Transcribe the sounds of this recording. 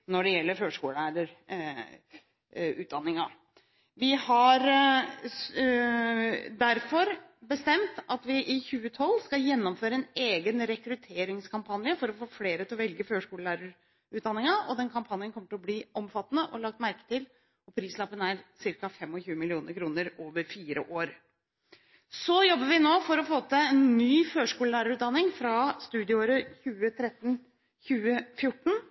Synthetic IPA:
nɔɖɛjɛlːəɾføːʂkuːləlæːɾəɾ | ʉ̰ːt̪̚d̪ɑnːɪŋɑ | ʋɪhɑɾ | d̪æɾfɔɾ | bəst̪ɛmt̪ɑt̪ʋɪʔɪçʉːət̪ʰɔlːskɑjɛnːɔmføːɾəɛneːɡənɾɛkɾʉt̪ʰeːɾɪŋskʰɑmpʰɑnjəfɔɾɔfoːfleːɾət̪ɪlɔʋɛlɡəføːʂkuːləlæːɾəɾ | ʉːt̪d̪ɑnɪŋɑɔd̪ɛnkʰɑmpʰɑnjənkʰɔmːəʈ̪lɔbliːʔɔmfɑt̪ːənəʔɔlɑk̚t̪mæɾkə̥t̪ɪl | ɔpʰɾiːslɑpːənæɾsɪɾkɑfɛmːɔçʉːəmɪlɪuːnəɾkʰɾuːnəɾoːʋəɾfiːɾə̰ʔoːɾ | sɔjɔbːəʋɪnoːfɔɾɔfoːt̪əɛnːyːføːʂkuːləlæːɾəɾʉːt̪̚d̪ɑnːɪŋfɾɑst̪ʉːd̪ɪʊoːɾəçʉːət̪ʰɾɛt̪ːn̩ | çʉːəfjʊʈːɳ̩

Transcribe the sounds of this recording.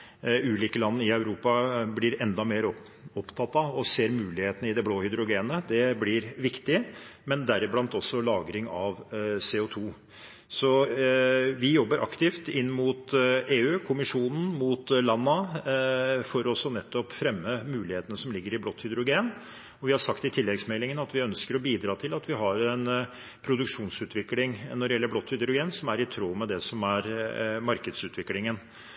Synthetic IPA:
ʉːliːkəlɑnːəɾɪœʉɾuːpɑblɪɾɛnd̪ɑmeːɾ | ɔpt̪ʰɑt̪ːɑɔseːɾmʉːlɪheːt̪ənəɪd̪ɛbloːhʏd̪ɾʊɡeːnəd̪ɛblɪɾʋɪkt̪ɪmɛnd̪æɾɪblɑnt̪ɔsːɔlɑːɡɾɪŋɑʋseːʊt̪ʰuː | sɔ | ʋɪjɔbːəɾʔɑkt̪ɪft̪ɪnːmʊt̪eːʉːkʰʊmɪʂuːnn̩mut̪lɑnːə | fɔɾɔsːɔnɛt̪ʰːɔpfɾɛmːəmʉːlɪheːt̪ənəsɔmlɪɡːəɾɪblɔt̪ːhʏd̪ɾʊɡeːn | ɔʋɪhɑʂɑkt̪ɪt̪ʰɪlːɛɡsmɛlːɪŋənəɑt̪ʋɪœnskəɾɔbiːd̪ɾɑːt̪ʰɪlɑt̪ʋɪɦɑɾɛn | pʰɾʊd̪ʉkʂuːnsʉːt̪ʰʋɪklɪŋnɔɾɖɪjɛlːəblɔt̪ːhʏd̪ɾʊɡeːnsɔmæɾɪt̪ʰɾoːmɛd̪ɛsɔmæɾmɑɾkəd̪sʉːt̪ʰʋɪklɪŋən

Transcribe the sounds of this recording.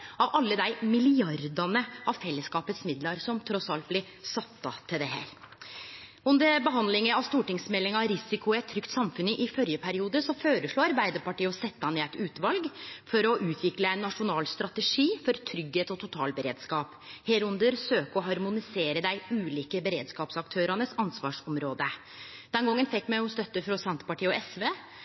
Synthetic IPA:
ɑʋɑlːəd̪æɪmɪlɪɑɾd̪ɑnəʔɑʋfɛlːəskɑːpət̪smɪd̪lɑɾsɔmt̪ʰɾɔsɑlt̪̚blɪɾ | sɑt̪ːɑt̪ʰɪld̪ɛhæ̰ːɾ | ʉnd̪əɾbəɦɑnd̪lɪŋəɑʋst̪uːʈɪŋsmɛlːɪŋɑɾɪsɪkʊɛt̪ʰːɾʏkt̪sɑmfʉnəʔɪfœɾjəpʰæɾɪuːd̪əsɔføːɾəʂɭoːɑɾbæɪd̪əɾpɑʈiːəɔsɛt̪ːəɑnɛæt̪ʉːt̪ʋɑlɡfɔɾɔʔʉːt̪ʰʋɪkləɛɪnːɑʂʊnɑːlst̪ɾɑt̪əʂiːfɔɾt̪ʰɾʏɡheːt̪ɔt̪ʰʊt̪ʰɑ̰ːlbəɾeːd̪skɑːp | heːɾʉnd̪əɾsøːkəɔɦɑɾmʊnɪseːɾəd̪æɪʉːliːkəbəɾḛːd̪skɑːpsɑkt̪ʰøːɾɑnəsɑnsʋɑ̰ːʂɔmɾoːd̪ə | d̪̥ɛnɡɔŋːənfɛkːmæʊmst̪œt̪ːəfɾɔsɛnt̪ə̥pɑʈʰiːəɔɛsʋeː

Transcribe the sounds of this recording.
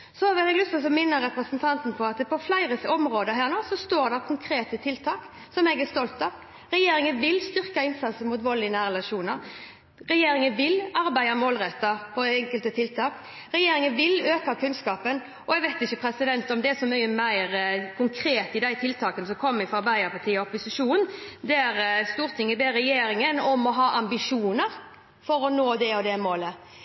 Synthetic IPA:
sɔʋɪlɛɡlʏt̪fɔsɔmɪnːəɾɾɛpɾəsənt̪ʰɑnt̪n̩pʰɔɑt̪pʰɔflæɪɾəɔmɾoːd̪əɦæːʁnoːsɔst̪oːɾd̪æʁkʰʊŋkʰɾeːt̪ət̪ʰɪlt̪ʰɑːk | sɔmɛɡɛst̪ɔlt̪ɑ | ɾɛjeːɾɪŋənʋɪlst̪ʏʁkɑɪnsɑt̪səmʊːt̪ʋɔlɪnæːɾɛlɑʂuːnəɾ | ɾɛjeːɾɪŋənʋɪlɑɾbæɪɑmoːlɾɛt̪ːɑɔɛŋkəlt̪ət̪ʰɪlt̪ʰɑːk | ɾɛjeːɾɪŋənʋɪløːkɑkʰʉnskɑːpən | ɔɛɡʋæɪt̪ɪçːəpʰɾɛsɪd̪ɛnt̪ɔmd̪ɛæsɔmyʏəmæɪɾkʰʊŋkʰɾeːt̪ɪd̪æɪt̪ʰɪlt̪ʰɑːkənəsɔkʰɔmːɪfɾɔɑɾbæɪəɾpʰɑt̪ʰiːɔɔpʊsɪʂuːnnd̪ɛæɾst̪uːʁt̪ʰɪŋːəbeːɾɛjeːɾɪŋənɔmɔɦɑːʔɑmbɪʂuːnəɾ | fɔɾɔnoːd̪ɛɔd̪ɛmoːlə

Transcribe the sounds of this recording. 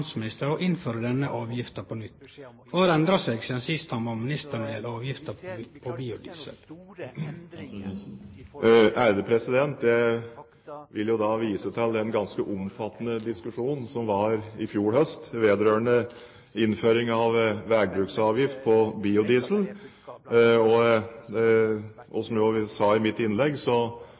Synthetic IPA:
nsmɪnɪst̪əɾɔʔɪnføːɾəd̪ɛnəʔɑːʋjɪft̪əpʰɔnʏt̪ːfɔhɑːɾɛnd̪ɾɑseːɡsiːd̪ənsɪst̪hɑmɑmɪnɪst̪əɳd̪eːlɑːʋjɪft̪əpʰɔbiːʊd̪iːsə̰l | æɾd̪əpʰɾɛsɪd̪ɛnt̪̚d̪ɛ | ʋɪljʊd̪ɑːʋiːsət̪ʰɛld̪ɛnɡɑnskəʔʊmfɑt̪ːnəd̪ɪskʉʂuːnn̩sɔmʋɑɾɪfjuːɾhœst̪ʋeːd̪ɾøːəɳə | ɪnføːɾɪŋɑʋʋæːɡbɾʉːksɑːʋjɪft̪̚pʰɔbiːʊd̪iːsl̩ | ɔ | ʔɔ̰sɔmjʋɪsɑːɪmɪt̪ːɪnlɛɡsɔ

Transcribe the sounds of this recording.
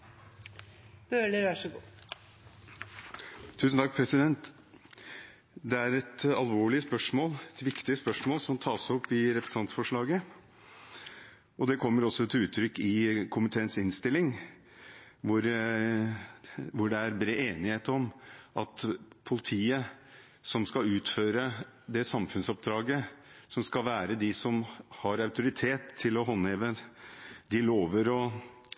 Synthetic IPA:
b̥øːləɾʋæʂəɡṵː | t̪ʰʉːsn̩t̪ɑk̚pʰɾɛsɪd̪ɛnt̪ | d̪ɛæɾɛt̪ɑlʋoːɭɪəspœʂmoːlɛt̪ʋɪkt̪ɪəspœʂmoːlsɔmt̪ʰɑːsɔpːɪɾɛpɾəsnɑnsfɔʂɭɑːɡə | ɔd̪ɛkʰɔmːəɾɔsːɔt̪ʰɪlʉːt̪ʰːɾʏkːɪkʰʊmɪt̪ʰeːənsɪnst̪ɪlːɪŋ | ʋʊɾ | ʋʊɖɛæɾbɾeːeːnɪheːt̪əɾɔmʔɑt̪pʰʊlɪt̪ʰiːə | sɔmskɑlʉːt̪føːɾə | d̪ɛsɑmfʉnsɔp̚d̪ɾɑːɡəsɔmskɑʋæːɾəd̪ɪsɔmhɑɾɑʉt̪ʊɾɪt̪ʰeːt̪ʰːɪlɔɦɔnheːʋə | d̪ɪloːʋəɾɔ

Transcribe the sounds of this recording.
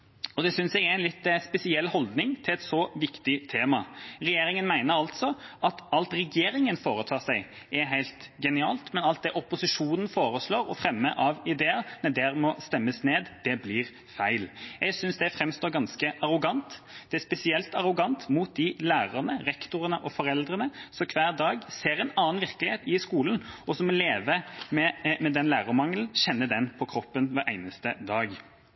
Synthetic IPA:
ɔd̪ɛsʏnsɛɡæɪnlɪt̪ːspɛsɪɛlhɔld̪nɪŋt̪ʰɪlɛt̪sɔʋɪkt̪ɪt̪ʰeːmɑɾɛjeːɾɪŋənmæɪnəɾɑlt̪sɔʔɑt̪ɑlt̪ɾɛɡeːɾɪŋənfoːɾət̪ʰɑːsæɪ | ɛɦæɪlt̪ɡɛnɪɑ̰ːlt̪mɛnɑlt̪̚d̪ɛʔɔpʊsɪʂuːnən̩foːɾəsloːɾɔfɾɛmːəʔɑʋɪd̪eːəɾnɛd̪ɛɾmɔst̪ɛmːəsneːd̪d̪̥ɛbliːɾ | fæɪljɛɡsʏnsd̪ɛfɾɛmst̪oːɾɡɑnskəʔɑʁʊɡɑnt̪d̪̥ɛæspɛsɪɛlt̪ɑʁʊɡɑnt̪muːt̪̚d̪ɪlæːʁəʁnəɾɛkt̪ʊɾənəʔɔfɔɾɛld̪ʁənəsɔkʰʋæːʁd̪ɑːɡseːɾɛɪnɑːnʋɪʁklɪheːt̪ɪskuːlən̩ɔsɔmɔleːʋəmɛmɛd̪ɛnlæːʁəmɑŋln̩ɕɛnːəd̪ɛnpʰɔkʰɾɔpːənʋæɾʔæɪnəst̪əd̪ɑːɡ

